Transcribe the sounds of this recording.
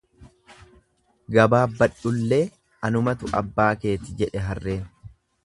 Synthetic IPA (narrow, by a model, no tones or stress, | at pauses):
ɡɐbaːbɐᶑʊlːe̞ː | ɐnʊmɐt̪ʊʔɐ̰bːaːke̞ːt̪ɪd͡ʒɛᶑɛɦɐrːe̞ːn